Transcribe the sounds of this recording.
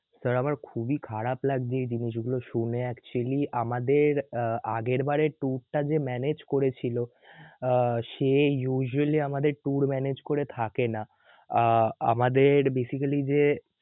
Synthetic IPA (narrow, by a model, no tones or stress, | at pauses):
səɾamaɾkʰubikʰaɾaplaɡd̪iɾd͡ʑiniʃɡuloʃuneɛkt͡ɕualiʔamad̪eɾaɡeɾbaɾeʈuɾʈad͡ʑemɛned͡ʑkoɾet͡ɕʰilo | ʃejuʒualiamad̪eɾʈuɾmɛned͡ʑkoɾet̪ʰakena | a̰mad̪eɾbesikalid͡ʑe